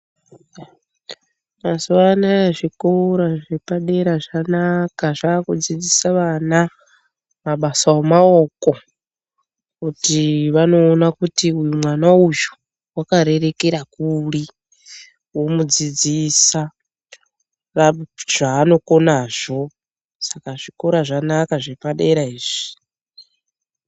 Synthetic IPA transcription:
nazanaʐikoɾaʐipaɗeɾaʐanakaʐaːkud͡zid͡zisaʋana | maɓasawamaoko | kutiβano̞ːnakutiujumwanaujo̥ | wakaɾe̞ɾe̞keɾakuli | wo̞mud͡zid͡zisa | raʐ̥aːno̞konaːʐ̥o̞ | sakaʐikoɾaʐanakaʐepaɗeɾaiːʐ̥i̥

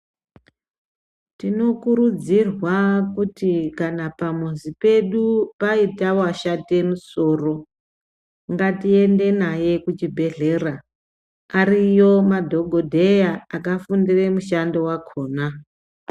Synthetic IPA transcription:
tino̞kuɾud͡zirwakutikanapamuzipe̞ɗupaitawaʃate̞muso̞ːro̞ | ŋɡatie̞nde̞naje̞kut͡ʃibʱe̞ɮe̞raː | rijo̞madʱo̞ɡʱo̞dʱe̞jaakafundiremuʃando̞wakʰo̞ːna

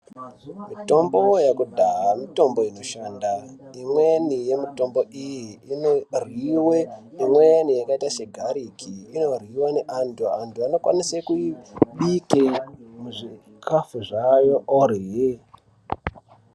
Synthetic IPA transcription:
mito̞mbo̞jakudʱaɦamito̞mbo̞ino̞ʃandaimwenije̞mito̞mbo̞ijinorwiweimwenijakaitaʃeɡʱaɾikʰiino̞rwiwaneʔantʰuantʰuano̞kwa̰nisekuiɓikemuʐi | kʰafuʐajo̞ʔoɾiɦe

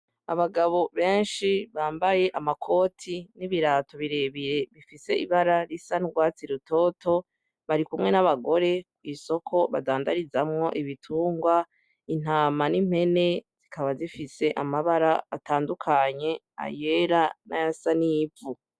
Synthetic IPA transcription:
a̰βaɡaβo̞βe̞ːnʃiβaːmbaje̞ʔamakʰo̞ːtʰiniβiɾaːto̞βiɾe̞βiɾe̞βifise̞iβaɾaɾisanuɡwaːt͡siɾuto̞ːtʰo̞ | βaɾikumŋe̞naβaɡo̞ɾe̞kwiːso̞kʰo̞βadaːndaɾizamŋo̞ʔiβitʰuːŋɡwa | in̥aːmanim̥he̞ne̞z̥ikʰaβazifise̞ʔamaβaɾaːtʰaːndukʰaɲe̞ | a̰je̞ɾana̰jasanivu

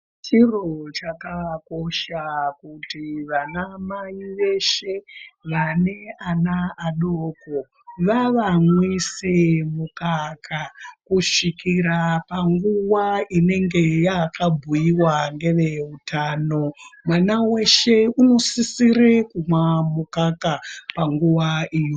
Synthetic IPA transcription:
t͡ʃirot͡ʃakako̞ʃakutiʋanamaiʋe̞ʃe̞ʋane̞anaaɗoːko | ʋaʋamwisemukakʰakuʂikiɾapaŋɡuwaine̞ŋɡe̞jakʰabʱujiwaŋɡe̞ʋe̞utʰano̞mwanawe̞ʃe̞uno̞sisiɾekumamukakapaŋɡuwaʔiːjo

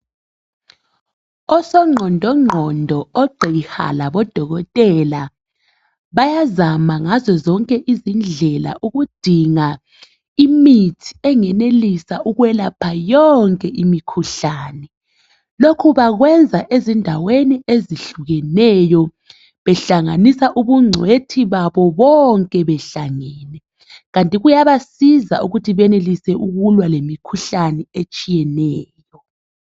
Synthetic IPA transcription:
ɔsɔŋ͡ǃʱɔndʱɔŋ͡ǃʱɔndʱɔɔɡ͡ǀʱeixa̰laβɔd̥ʱɔɣɔtʼɛla | βajazamaŋazɔzɔŋkʼɛʔizind͡ɮʱɛla̰ʔuɣud̥ʱiŋa | imitʰi̥ɛŋɛnelisaʔuɣwɛlapʰajɔŋkʼɛʔimikʰuɬaːnɛ | lokʰuβaɣwɛnd͡zʱaʔezindʱawenieziɬuɣɛnɛjɔ | βɛɬaŋanisaʔuβuŋ͡ǀʱwetʰiβaβɔβɔŋkʼɛβɛɬaŋɛːnɛ | ɣantʼiɣujaβasiza̰ʔuɣutʰiβɛnelisɛʔuɣulwalemikʰuɬanɛet͡ʃʼijɛnɛːjɔ

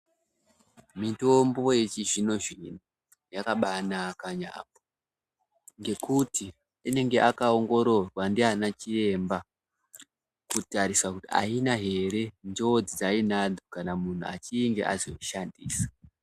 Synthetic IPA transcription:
mito̞mbo̞jet͡ʃiʐino̞ʐino | jakaɓanakaɲa̰ːpo̥ | ŋɡe̞kuti | ine̞ŋɡe̞ʔakaoŋɡo̞ɾo̞rwandianat͡ʃie̞mba | kutaɾisakutia̰inaɦe̞ɾe̞ndod͡zid͡zainad͡zokanamun̤ua̰t͡ʃiŋɡḛʔa̰zoʃandiːsḁ

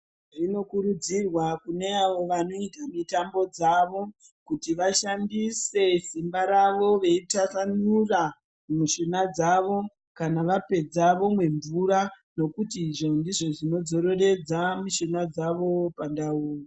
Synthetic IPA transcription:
ʐino̞kuɾud͡zirwakune̞aʋo̞ʋano̞itamitambo̞d͡zaʋo̞ | kutiʋaʃandise̞simbaɾaʋo̞ʋe̞itasanura | muʃenad͡zaʋo̞ | kanaʋape̞d͡zaʋo̞mwe̞ɱvuɾa | no̞kutiʐo̞ndiʐo̞ʐino̞d͡zo̞ɾo̞re̞d͡zamiʃenad͡zaʋo̞pandauːro

